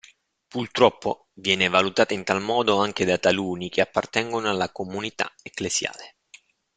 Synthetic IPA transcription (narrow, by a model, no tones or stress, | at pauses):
purt̪ɾɔpːo | vjɛːnevalut̪aːt̪aint̪almɔːd̪oaŋk̟ed̪at̪aluːnik̟eapːart̪ɛŋɡonoalːakomunit̪a̰eklesja̰ːle